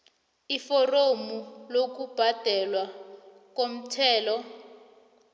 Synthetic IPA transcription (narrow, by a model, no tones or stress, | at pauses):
ifɔromulok̬ub̥ʱad̥ʱɛlwa | k̬om̩tʰɛːlɔ